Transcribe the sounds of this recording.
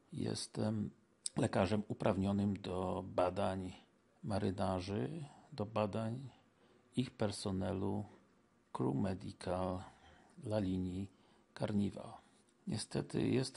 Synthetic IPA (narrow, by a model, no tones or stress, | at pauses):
jɛ̰st̪ɛm | lɛkaʐɛmupɾʔavɲɔnɘmd̪ɔbad̪aɲ | maɾɘnaʐɘd̪ɔbad̪aɲ | ixpɛɾsɔnɛlu | kɾumɛd̪ikʰalː | alʲiɲi | kaɾɲiva̰l | ɲɛst̪ɛt̪ɘ̰jɛst̪